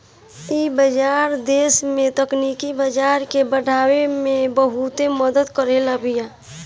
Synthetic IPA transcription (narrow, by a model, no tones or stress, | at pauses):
iːbəd͡ʒaːɾd̪eːsmẽt̪əkniːkibəd͡ʒaːɾkebəɖʱaːwemẽbəɦut̪eməd̪əd̪kəɾelabijaː